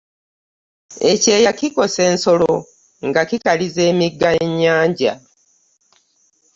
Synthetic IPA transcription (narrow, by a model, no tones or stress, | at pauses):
e̞ce̞ːjakiko̞se̞ːnsolo | ŋɡakikalize̞ːmiɡːaeɲːaːɲɟa̰